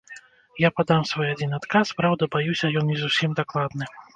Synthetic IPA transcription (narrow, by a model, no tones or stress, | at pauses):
japad̪amsvɔjad͡zʲinat̪kaspɾawd̪ɐbajusʲɐjɔnːʲizusʲimd̪aklˠad̪nɨ